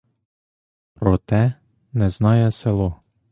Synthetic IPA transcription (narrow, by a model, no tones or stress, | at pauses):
pɾɔt̪ɛ | nɛznɑjɛselˠɔ